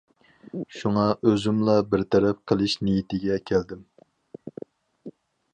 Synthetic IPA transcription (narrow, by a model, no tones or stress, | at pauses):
ʃuŋɑʔøzymlˠɑbɪɾt̪ʰɛɾɛp̚qʰəlˠɨʃnɪjit̪ɪɡʲɛkʲʰɛld̪ɪm